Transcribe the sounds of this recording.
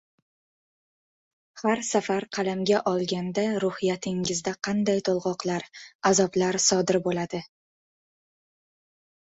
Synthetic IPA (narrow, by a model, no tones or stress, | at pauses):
haɾsafaɾqʰɑlamɡʲaʔɒlˠɡʲand̪aɾʊhɪjat̪ʰɪŋɪzd̪aqʰɑnd̪ajt̪ʰolˠʁɒqlaɾazɒblaɾsɒd̪ɪɾbolad̪ɪ